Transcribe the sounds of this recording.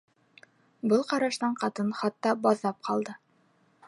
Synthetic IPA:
bɤlˠqɑɾɑʃt̪ɑɴqɑt̪ɤnχɑt̪ːɑbɑðːɑp̚qʰɑlˠd̪ɤ

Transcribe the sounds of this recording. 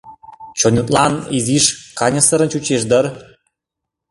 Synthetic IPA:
t͡ɕonʲut̪lɑniziʃkɑnʲɤ̆sə̆ɾə̆nt͡ɕut͡ɕeʃd̪ə̆r

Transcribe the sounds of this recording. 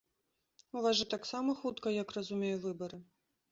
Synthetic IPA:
uvaʐɨt̪aksamɐxut̪kɐjɐkrɐzumʲejuvɨbɐɾɨ

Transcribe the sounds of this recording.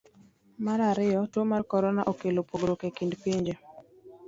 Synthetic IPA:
maɾaɾɪjɔtwomarkɔɾɔnaʔokelopoɡɾokekindpiɲd͡ʒe

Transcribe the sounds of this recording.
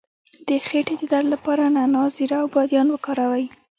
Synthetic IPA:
d̪̥əxeʈed̪əd̪allapɑɾananɑziɾaːwbɑd̪jɑnwəkɑɾawaj

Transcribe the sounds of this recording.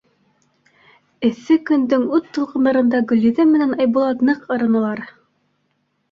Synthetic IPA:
ɘ̆θɘkɵ̆nd̪ɘŋʉt̪ːɤ̆lˠqɤ̆nd̪ɑɾɤ̆nd̪ɑɡɵ̆lʲːiðɘmɘ̆nænɑjbulˠɑt̪nɤqɤ̆ɾɤ̆nɤ̆lˠɑɾ

